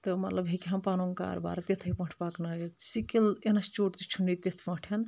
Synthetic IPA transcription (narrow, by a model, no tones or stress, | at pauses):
t̪əmɐt̪ləbɦikiɦɐmpanoŋka̰ɾba̰ɾt̪et̪ʰəpɐ̃ɳʈʰpaknaj̪sikilenɐst͡ʃoʈt̪it͡ʃʰunːit̪et̪ʰpɐ̃ʈʰjɐn